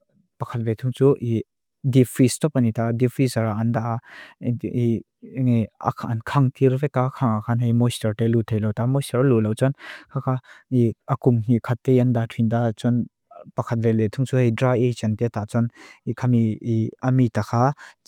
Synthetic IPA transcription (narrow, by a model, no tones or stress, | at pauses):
pɐkʰat̚vet̪ʰuŋt͡suʔi | dipʰistɔpanit̪adipʰɾizaɾaʔɐnd̪aʔ | i | ŋa̰kʰʔɐnkʰaŋt̪iɾvɛkakʰaŋakʰanɦɛjmɔjstɐɾtɛlut̪ʰejlɔwt̪amɔjstɐɾlulɔwt͡sɔnkʰakʰaiɐkumɦikʰat̪ːejɐndatʰind̪at͡sɔn | pɐkʰɐt̪̚vɛlet̪ʰuŋt͡suhɛjdɾajejt͡ʃɛnt̪ɛt̪aʔt͡sɔnikʰamiiɐmit̪akʰa